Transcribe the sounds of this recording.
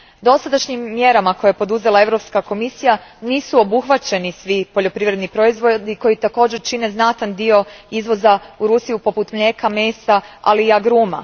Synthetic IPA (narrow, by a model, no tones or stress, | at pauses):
d̪o̞sad̪aʃɲimːjeɾamakojeepo̞d̪uze̞lae̞ʋɾo̞pskako̞misijaniːsuobuxʋat͡ɕe̞nisʋipo̞ʎo̞pɾiʋɾe̞d̪nipɾo̞izʋod̪iko̞jit̪ako̞ːd͡ʑe̞ɾt͡ʃine̞znat̪and̪io̞izʋo̞zauɾusijupo̞put̪mʎe̞kame̞ːsaa̰liaɡɾuma̰